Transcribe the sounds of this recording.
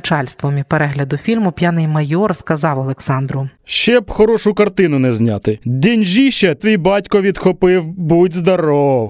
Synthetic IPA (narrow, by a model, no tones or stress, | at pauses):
t͡ʃɑlʲst̪ʋɔmʲipeɾɛɦlʲɐd̪ʊfʲilʲmʊpʲjanɪjmɐjɔrskɐzɑwɐlˠeksɑnd̪ɾʊʃt͡ʃɛbxɔɾɔʃʊkɐrt̪ɪnʊnɛzʲnʲɑt̪ɪd̪ʲinʲʒiʃɛt̪ʋʲijbɑtʲkɔʋʲid̪xɔpɪwbudʲzd̪ɐɾɔw